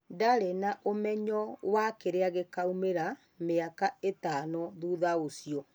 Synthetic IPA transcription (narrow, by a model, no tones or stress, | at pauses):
ndaɾenaʔomɛɲɔwakeɾeaɣekaumeɾa | meakaetanɔðuðaosiɔ